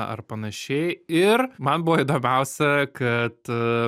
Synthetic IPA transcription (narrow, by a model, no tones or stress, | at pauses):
ʔɐ̰rpɐnɐʃʲɛɪɪrmɐnbʊʋoid̪oːmʲɛʊsʲɛkɐt̪